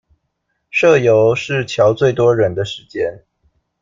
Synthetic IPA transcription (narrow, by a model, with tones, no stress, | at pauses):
ʂɤ˥˩jo˧˥ʊʂɻ̩˥˩t͡ɕʰjɑ˧˥ʊt͡swe˥˩ɪt̪wɔ˥ɻə˨˧˥nd̪ə˧ʂɻ̩˧˥˦t͡ɕjɛ˥n